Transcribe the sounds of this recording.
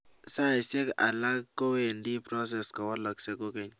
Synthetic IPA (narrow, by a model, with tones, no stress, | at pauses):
sa˦i˨se˦ka̰˨la˦kːo˦we˦ndi˦pɾɔ˦s̬ɛ˨skɔ˨wɔ˦lɔ˨kse˦ko˦ke˨ɲ